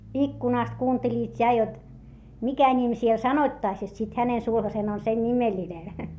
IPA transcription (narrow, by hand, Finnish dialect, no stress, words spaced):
ikːunɑˑst kuːntelʲiːt jɑ jot mikæ nʲim siel sɑnoĭtːɑĭs jot sit hænen sulhɑsen on sen nʲimelʲinen